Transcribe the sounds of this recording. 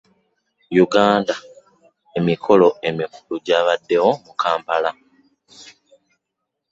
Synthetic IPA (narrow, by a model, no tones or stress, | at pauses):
juɡaːnda | e̞mikʰo̞lo̞e̞mikuluɟaːβadːe̞wo̞mukʰaːmpala